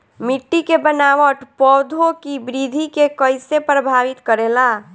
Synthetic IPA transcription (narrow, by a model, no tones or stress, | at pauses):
mɪʈːikebənaːwəʈ̪pɔːd̪ʱõkibɾiːd̪ʱikekəɪsepɾəbʱaːʋɪt̪kəɾeːlaː